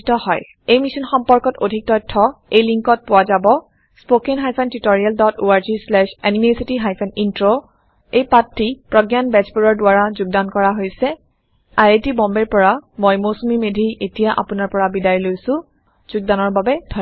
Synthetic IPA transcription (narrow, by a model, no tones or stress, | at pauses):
tɔhɔj | ejmisɔnxɔmpɔɹkɔtodʱik̚tɔjtʰːɔejliŋkɔt̚pʊwazabɔ | spokɛnɦajpʰɛntitoɹialdɔtoaɹzislɛʃanimesitiɦajpʰɛnintɹo | ejpatʰɹipɹɔɡjanbɛzbuɹɔɹdʊwaɹazuɡ̚dankɔɹaɦojsɛ | aɹetibɔmbɛɹpɔɹamojmosumimedʱiʔetijaʔa̰pʊnaɹpɔɹabidajlojsʊ̃ | z̥uɡ̚danɔɹbabɛd̥ʱɔ